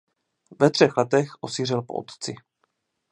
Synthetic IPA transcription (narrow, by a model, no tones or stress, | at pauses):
vɛt̪r̝̥ɛxlɛt̪ɛxʔosiːr̝ɛlpoʔo̰t̪t͡sɪ